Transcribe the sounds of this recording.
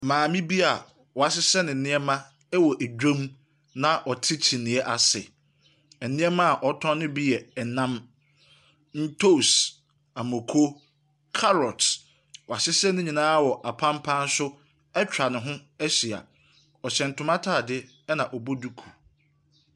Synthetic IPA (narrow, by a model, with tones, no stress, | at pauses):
mãː˨mĩ˦bi˦a˨ | wɔ˨a˨s̬ɪ˦sɛ˦nɪ̃˨n̩˨nɪ̃˦ɛ˦mã˦ | ɛ˦wɔ˨ʔæ˨d͡ʑᶣõ˦m | nã˦ʔɔ˨tʰɪ˦t͡ɕʰi˨nɪ̃˨˦ɛ˦ʔa˨sɛ˨ | ɛ˨nɪ̃˦ɛ˦mã˦a˨ʔɔ˨˦tʰɔ̃˦nʊ̃˦bi˦jɛ˨ɛ˨nã˦m | n̩˦tʰo˦˨s | a˨mõ˨kʰo˦ | kʰa˦ɾɔ˨t | wɔ˨a˨sɪ˦sɛ˦nʊ̃˦ɲĩ˨nãː˦wɔ˨ʔa˨pʰã˦m˦pʰã˦n̩˦sʊ˦ | ɛ˦t͡ɕᶣɾa˨nɪ̃˨ɦʊ̃˦ɛ˦ɕi˨a̰˨ | ɔ˨ɕɛ̃˨n̩˨tʰʊ̃˦mã˦tʰaː˦˨dɪ˦ | ɛ˦nã˨ʔɔ˨bo˦du˦kʰu̥˨